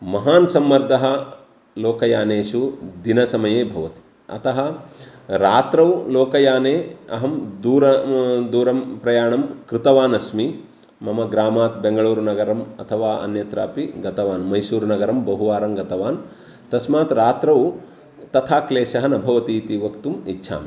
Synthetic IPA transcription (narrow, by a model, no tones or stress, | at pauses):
mɐɦaːnsɐmːɐɾd̪ʱɐɦɐ̆ | loːkɐjaːneːʃud̪inɐsɐmɐjeːbʱɐʋɐt̪i̥ | ɐ̰t̪ɐɦɐ̆ | ɾaːt̪ɾɐwloːkɐjaːneːɐɦɐmd̪uːɾɐd̪uːɾɐmpɾɐjaːɳɐmkɾɪt̪ɐʋaːnɐsmi | mɐmɐɡɾaːmaːt̪̚beŋɡɐɭuːɾnɐɡɐɾɐmɐ̰t̪ʰɐʋaːʔɐ̰njɐt̪ɾaːpiɡɐt̪ɐʋaːnmɐjsuːɾnɐɡɐɾɐmbɐɦuʋaːɾɐmɡɐt̪ɐʋaːn | t̪ɐsmaːt̪ɾaːt̪ɾɐw | t̪ɐt̪ʰaːkleːʃɐɦɐnɐbʱɐʋɐt̪iːt̪iʋɐkt̪umitːʃʰa̰ːm